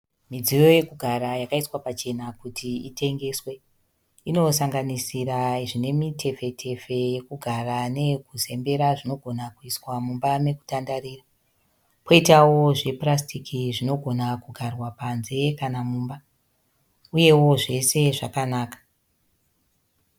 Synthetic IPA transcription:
mid͡zijo̞je̞kuɡʱaɾajakaiswapat͡ʃe̞nakutʰiitʰe̞ŋɡe̞ːswe̞ | ino̞saŋɡanisiɾaʐine̞mitʰe̞fe̞tʰe̞fe̞je̞kuɡʱarane̞kuze̞mbe̞ɾaʐino̞ɡʱo̞nakuiswamumbame̞ku̥tandaɾiːra | ko̞itawo̞ʐe̞prastikiʐino̞ɡʱo̞nakuɡʱarwapanze̞kanamuːmba | uje̞wo̞ʐe̞se̞ʐakanaːkḁ

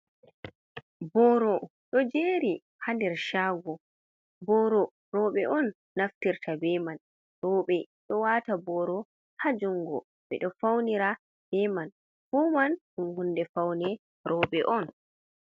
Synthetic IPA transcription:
bɔɾɔ | ɗɔd͡ʒeːɾi | handɛɾʃaːɡɔ | bɔɾɔ | ɾɔɓɛʔɔnː | aftiɾtʰabɛman | ɗɔːɓɛ | ɗɔwatabɔɾɔ | had͡ʒuŋɡɔ | ɓɛ̰ɗɔfawniɾa | b̥ɛman | humanʔunhundɛfawnɛ | ɾʔɔːɓɛʔɔn

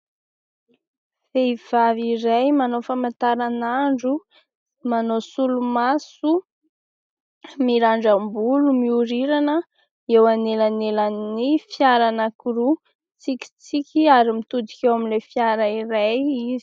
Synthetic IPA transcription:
fev̥aviɾajmanofamant̪aɾanaɳɖ͡ʐu | manosulumasu | miɾaɳɖ͡ʐambulumiuɾiɾanə | ewanelanelannifjaɾanakuɾu | t͡sikʲi̥t͡sikʲiaɾimit̪ud̪i̥kʲewamilefjaɾəiɾajizi̥

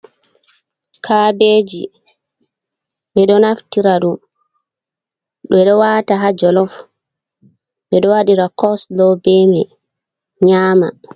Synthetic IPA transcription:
kʰabeːd͡ʒḭ | ɓɛɗɔnaftiɾaɗum | ɓɛɗɔwaːtaɦad͡ʒɔlɔf | ɓɛɗɔwaɗiɾakɔslɔbɛmɛ | ɲaːma̰

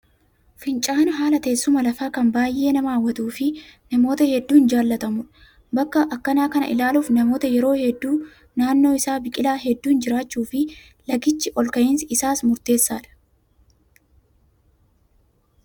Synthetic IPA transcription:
fɪnt͡ʃʼaːnɐɦaːlɐt̪eːsːʊmɐlɐfaːkɐmbaːjʔːe̞ːnɐmaːwːɐt̪uːfɪnɐmo̞ːt̪ɐhɛd̪ːuːnd͡ʒaːlːɐt̪ɐmʊᶑɐ | bɐkːɐʔɐkːɐnaːkɐnɐ̰ʔɪ̰laːluːfnɐmo̞ːt̪ɐjɛɾo̞ːhɛd̪ːuː | naːnːo̞ːɪsaːbɪkʼɪlaːɦɛd̪ːuːnd͡ʒɪɾaːt͡ʃːuːfɪ | lɐɡɪt͡ʃːɪʔɔlkɐjɪnsɪsaːsmʊɾt̪e̞ːsːaːᶑɐ̥

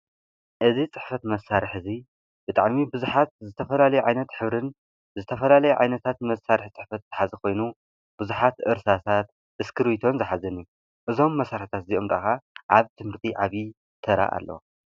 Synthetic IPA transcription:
ʔɨzit͡sʼɨħfɐt̪mɐsːaɾɨħɨzi | b̥ɨt̪ʼaʕmibɨzuħat̪̚zɨt̪ʰɐfɐlalɐjuʕajnɐt̪ħɨβɾɨn | zɨt̪ʰɐfɐlalɐjuʕa̰jnɐt̪ʰat̪mɐsːaɾɨħt͡sʼɨħfɐt̪zɨħazɐkʰo̞jnu | b̥ɨzuħat̪ɨ̰ɾsat̪ʰat̪ | ʔɨskʰɨɾwit̪ʰo̞nzɨħazɐnju | ʔɨzo̞mːɐsaɾħɨt̪ʰat̪ziʔomda̰ʔxaʔaβt̪ʰɨmhɨɾt̪ʰiʕaβi | t̪ʰɐɾa̰ʔa̰lːɐ̰w

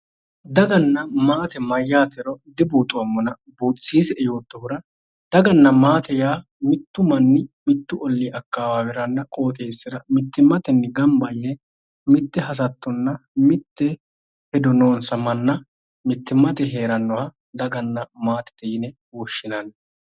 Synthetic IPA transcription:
d̪ɐɡɐnːɐmaːt̪ɛmɐjːaːt̪ɛɾɔd̪ɪbuːt̪ʼːʊɐmːɔnɐ | buːt̪ʼɪsiːsɛɛjo̞ːt̪ːɔhʊɾɐ | d̪̥ɐɡɐnːɐmaːt̪ɛjaː | mɪt̪ːʊmɐnːɪmɪt̪ːʊɔlːiʔɐkːaːwaːwɪɾɐnːɐkʼo̞ːt̪ʼe̞ːsːɪɾɐmɪt̪ːɪmːɐt̪ɛnːɪɡɐmbɐlːɛ | mɪt̪ːɛɦɐs̬ɐt̪ːɔnːɐmɪt̪ːɛ | hɛd̪ɔnoːnsɐmɐnːɐ | mɪt̪ːɪmːɐt̪ɛɦe̞ːɾɐnːɔwa | d̪ɐɡɐnːɐmaːt̪ɛ̥t̪ɛjɪnɛ | wɔʃːɪnɐn

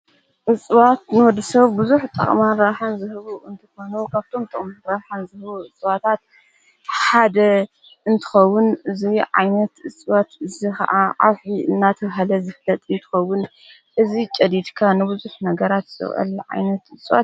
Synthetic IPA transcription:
ʔɨsʼβat̪nɨwɔd̪ːɐsɐβbɨzuħt̪ʼɐ̰χʼmaɾaħanzɨhɨβuɨnt̪ʰɨ̥xo̞nukʰaβt̪ʰo̞mt̪ʼɐχʼmaɾaħanzɨhɨβuʔɨt͡sʼβat̪ʰat̪̚ | ħad̪ɐ | ɨnt̪ʰɨ̥xɐwːʊnɨziʕa̰jnɐt̪ɨsʼβat̪ɨzixɐ̰ʔaʕa̰βħiɨnːat̪ʰɐβɦalɐzɨflɐt̪ʼɨnt̪ʰɨ̥xɐwːʊn | ʔɨzit͡ʃʼɐd̪id̪kʰanɨbɨzuħnɐɡɐɾat̪z̥ɨ̰χʔɐ̰lʕa̰jnɐt̪ɨsʼβa̰t̪

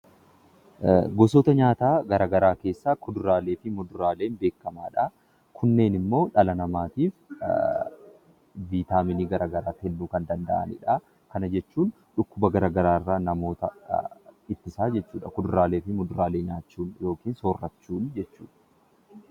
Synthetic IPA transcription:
ɡɔsoːt̪ɐɲaːt̪aːɡɐɾaːɡɐɾaːke̞ːsːaːkʊd̪ʊɾaːleːfɪmʊd̪ʊɾaːle̞ːnbe̞ːkːɐmaːᶑa | kʰʊnːe̞ːnɪmːo̞ːᶑɐlɐnɐmaːt̪iːf | viːt̪aːmɪniːɡɐɾʔaːɡɐɾaːt̪ɛlːuːkɐnd̪ɐnd̪ɐ̰ʔɐ̰nɪ̰ᶑa | kɐnɐd͡ʒɛt͡ʃːuːn | ᶑʊkːʊbɐɡɐɾaːɡɐɾaːɪrːaːnɐmo̞ːt̪ɐ | ɪt̪ːɪsaːd͡ʒɛt͡ʃːuːᶑɐkʊd̪ʊɾaːle̞ːfɪmʊd̪ʊɾaːle̞ːɲaːt͡ʃːuːnjo̞ːkiːnsoːrːɐt͡ʃːuːnd͡ʒɛt͡ʃːuːᶑɐ̥

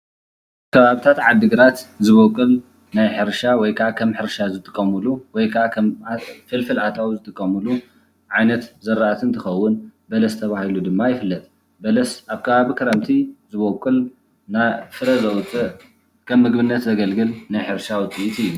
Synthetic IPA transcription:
kʰɐβaβit̪ʰat̪ʕad̪ːɨɡɨɾat̪zɨβokʼːɨl | najħɨɾʃawɔjkʰɐakʰɐmħɨɾʃazɨt̪ʼɨkʼːɐmɨluwɔjkʰɐakʰɐmfɨlfɨlʔat̪ʰawzɨt̪ʼɨkʼːɐmɨlu | ʕajnɐt̪zɐɾaat̪ʰɨnt̪ʰɨxɐwːʊnbɐlɐst̪ʰɐβahilud̪ɨmːajɪfɨlːɐt̪ʼ | bɐlɐsʔaβkʰɐβaβikʰɐɾɐmt̪ʰizɨβokʼːɨl | nafɨɾɐzɐwt͡s̪ʼːɨ | kʰɐmːɨɡbɨnːɐt̪zɐɡɐlɡɨlnajħɨɾʃawɔt̪ʼiʔit̪ijːu

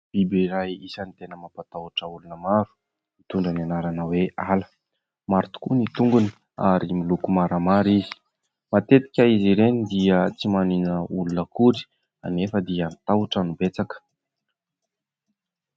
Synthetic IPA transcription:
b̥ibeiɾajisanit̪enəmapat̪auʈ͡ʂəulunəmaɾu̥ | it̪uɳɖ͡ʐananaɾanəwealə̥ | maɾt̪u̥kunit̪uŋɡuni̥ | aɾimilukumaɾəmaɾizi̥ | mat̪et̪i̥kʲəiziɾenid̪iət͡simaninəulunəkuɾi̥ | a̰nefəd̪iant̪auʈ͡ʂanubet͡sakə̥

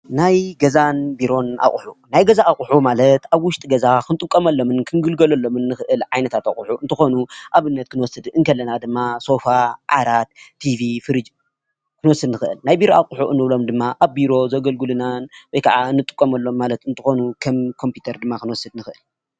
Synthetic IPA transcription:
najɡɐzanbiɾo̞na̰χʼħunajɡɐzaʔaχʼħumalɐt̪aβwʊʃt̪ʼiɡɐzakʰɨnt̪ʼɨkʼːɐmɐlːo̞mɨnkʰɨnɡɨlɡɐlɐlːo̞mɨnːɨxɨʔɨlʕajnɐt̪ʰat̪aχʼʊħuʔɨnt̪ʰɨxo̞nuʔaβɨnːɐt̪̚kʰɨnwɔsɨd̪ʔɨŋkʰɐlːɐnad̪ɨmːaso̞faʕa̰ɾat̪̚ʰːivifɨɾɨd͡ʒ | kʰɨnwɔsːɨd̪nɨxɨʔɨ̰lnajbiɾo̞aχʼħuʔɨ̰nːɨβlo̞md̪ɨmːaʔaβbiɾo̞zɐɡɐlɡɨlɨnanwɔjkʰaʕaɨnːɨt̪ʼɨ̥kʼːomɐlːo̞mːalɐt̪ɨnt̪ʰɨxo̞nukʰɐmkʰo̞mpʰjut̪ʰɐɾd̪ɨmːakɨnwɔsɨd̪nɨxɨʔɨl

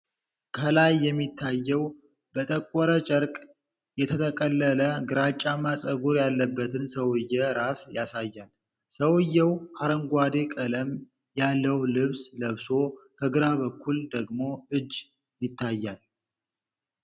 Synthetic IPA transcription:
kʰəlajːɛmːit̪ʰːajːɛw | b̥ət̪ʼəkʼːɔɾət͡ʃʼəɾkʼ | jɛt̪ʰət̪ʰəkʼəlːələɡɨɾat͡ʃʼːamasʼəɡuɾjalːəbːət̪ʰɨnsəwɨjːɛɾasjasajːal | səwɨjːɛwhaɾəŋɡʷad̪e̞kʼələm | jalːəwlɨβsləβso̞kʰəɡɨɾaβəkʰːuld̪əɡmo̞ɨd͡ʒː | jɪt̪ʰːajːal

